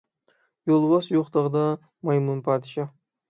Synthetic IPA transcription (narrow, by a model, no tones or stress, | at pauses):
jolˠbɑsjoqt̪ɑʁd̪ɑ | mɑjmunpʰɑːd̪ɪʃɑ